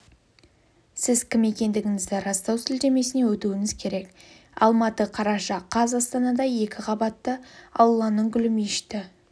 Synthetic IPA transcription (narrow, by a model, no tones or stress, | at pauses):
sɪzkʲɪme̞kʲe̞nd̪ɪɡʲɪŋɪzd̪ɪɾɑst̪ɑwsɪld̪e̞me̞sɪne̞wɵt̪uwɪŋɪzkʲʰe̞ɾe̞k | ɑlˠmɑt̪əqʰɑɾɑʃɑqʰɑzɑst̪ɑnɑd̪ɑje̞kʲɪqʰɑbɑt̪ːəɑ̰wlˠːɑnəɴɡʲʏlɪmiʃt̪ɪ